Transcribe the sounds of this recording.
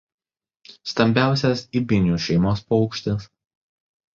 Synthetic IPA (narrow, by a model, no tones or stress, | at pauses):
st̪ɐmʲbʲæˑʊsʲɛsibʲɪnʲjuːʃʲɛɪmoːspoɒʊkʃʲt̪ʲɪs